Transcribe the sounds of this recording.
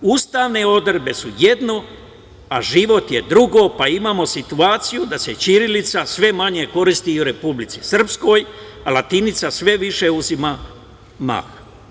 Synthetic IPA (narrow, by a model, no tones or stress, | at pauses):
ust̪aːʋne̞o̞d̪rebe̞sujed̪no̞ | aʒiʋo̞t̪je̞d̪ɾuɡo̞paimamo̞sit̪uaːt̪sijud̪ase̞t͡ʃiɾilit̪sasʋe̞maɲe̞ko̞ɾist̪iuɾe̞publit̪si̥sr̩psko̞j | alat̪init̪sasʋe̞ʋiʃe̞uzima | ma̰x